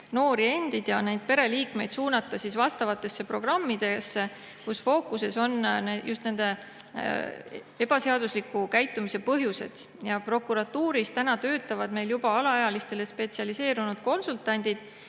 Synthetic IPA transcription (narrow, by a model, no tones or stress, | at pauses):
no̞ːɾie̞nd̪̥id̪̥jɑnejd̪̥̚pe̞ɾe̞liːkme̞jd̪suːnɑt̪ːˑɑsisvɑst̪ɑvɑt̪ːˑe̞sːe̞pro̞ɡ̥rɑmːid̪̥e̞sːe̞ | kusfo̞ːkuse̞so̞nnejust̪ne̞nd̪e̞ | e̞b̥ɑse̞ɑd̪̥uslikːukæjt̪ːˑumise̞pɤɦjuse̞̰d̪̥ | jɑpro̞kˑuɾɑt̪ːuːɾist̪ænɑt̪ø̞ːt̪ːˑɑvɑd̪̥me̞jljubɑɑlɑɑjɑlist̪e̞le̞spe̞t̪siɑlise̞ːɾunud̪̥̚ko̞nsult̪ˑɑnʲd̪̥id̪̥